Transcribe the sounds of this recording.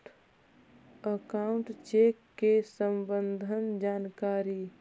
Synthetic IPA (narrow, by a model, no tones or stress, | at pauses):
əkaʊɳʈt͡ʃekːesəmbənd̪ʱənd͡ʒaːnkaɾi